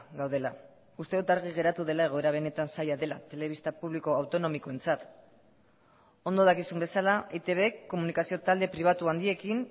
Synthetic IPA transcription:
ɡawðe̞la | ust̪e̞ðut̪aɾɣ̞iɣ̞e̞ɾat̪uðe̞lae̞ɣo̞e̞ɾaβ̞e̞ne̞t̪ansajaðe̞lat̪e̞le̞β̞ist̪apuβliko̞awt̪o̞no̞miko̞e̞nt͡sat̪ | o̞nd̪o̞ðakisumbe̞salaet̪e̞βe̞kːo̞munikasio̞t̪ald̪e̞pɾiβ̞at̪uand̪ie̞kin

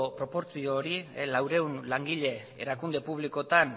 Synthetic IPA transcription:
opɾo̞po̞ɾt͡sioːɾilawɾe̞unlaŋɡiʎe̞ | eɾakund̪e̞puβ̞liko̞t̪an

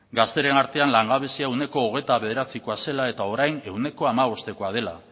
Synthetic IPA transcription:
ɡast̪e̞ɾe̞naɾt̪e̞anlaŋɡaβesiaewne̞ko̞ːɣ̞e̞t̪aβe̞ðe̞ɾat͡siko̞ase̞lae̞t̪ao̞ɾajne̞wne̞ko̞amaβ̞o̞st̪e̞ko̞að̞e̞la̰

